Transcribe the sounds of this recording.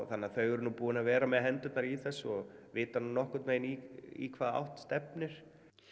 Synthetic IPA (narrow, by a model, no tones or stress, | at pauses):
θanːaθœɥɣʏɾnupuːɪnavɛːɾamɛðɦɛnt̪ʏt̪naɾiθɛsːɔɣvɪːt̪anunɔhkʏt̪meːjniḭkʰvaːða̰wht̪st̪ɛpnɪɾ̥